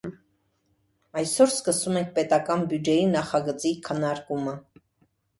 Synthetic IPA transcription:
ɑjsɔɾskəsumɛŋk̚ʰpɛt̪ɑkɑnbjud͡ʒɛjinɑχɑɡət͡sikʰənɑɾkumə

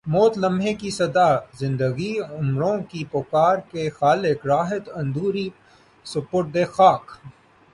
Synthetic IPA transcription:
moːt̪lɐ̃mɦekisɐd̪azɪ̃nd̪əɡiʊmɾõkipokaːɾkexaːlɪkɾaːɦɪt̪ɐ̃nd̪uːɾi | sɐpoːʈ̚d̪exaːk

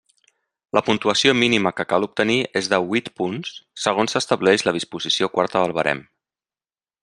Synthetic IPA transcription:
lʔəpunt̪uəsiominiməkəkalup̚t̪əniezðəβwit̪punsːəɣ̞onsəst̪əβlɛʒləð̞ispuzisiokwa̰ɾt̪əðəlˠβəɾɛ̰m

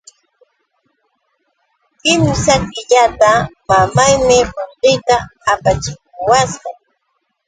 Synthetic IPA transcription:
kɪmsakɪʎat̪amamajmɪɾoɴɢɪjt̪aːpat͡ʃɪk̚ʊwasqɑŋ

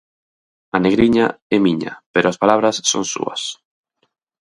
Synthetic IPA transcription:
ɐneɣɾiɲaɛmiɲɐ̰peɾʊaspalaβɾɐsːo̰ŋsṵɐ̰s

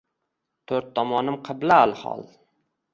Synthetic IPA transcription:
t̪ʰɵɾt̪ʰːɒmɒnɪmqʰɨblaːlˠhɒ̰lˠ

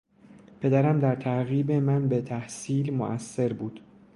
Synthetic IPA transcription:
pʰe̞d̪æɾæmd̪æɾt̪ʰæɾɣiːbe̞mænbe̞t̪ʰæhsiːlmo̰ʔæsːe̞ɾbuːd̪̥

